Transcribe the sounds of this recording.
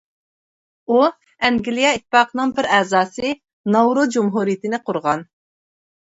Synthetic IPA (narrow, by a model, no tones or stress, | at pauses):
u | ɛŋɡʲilijɑit̪ʰːpɑːqʰənɨŋbɪɾɛzɑːsɨ | nɑwɾʊd͡ʒumɦuɾijɪt̪ʰɪnɪqʰʊɾʁɑn